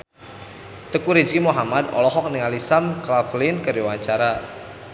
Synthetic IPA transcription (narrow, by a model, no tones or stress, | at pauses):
t̪əkuɾid͡ʒkimuɦamad̪ɔ̰lɔɦɔk̚niŋalisamklaflinkəɾiwaɲt͡ʃaɾa